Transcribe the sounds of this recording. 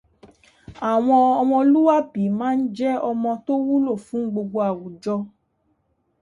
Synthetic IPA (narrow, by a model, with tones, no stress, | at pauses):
a˨w̃ɔ̃˧ɔ˧w̃ɔ̃˧o˧lu˦wa˦bi˨˦mãː˦n̩˦d͡ʒɛ˦ɔ˧mɔ̃˧to˦wu˦lo˦˨fũ˨˦ɡ͡bo˧ɡ͡bo˧a˨wu˨d͡ʒɔ˧